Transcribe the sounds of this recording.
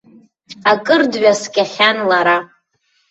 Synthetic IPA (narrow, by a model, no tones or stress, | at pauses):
akʼɨrdɥaskʲaχʲanlaɾa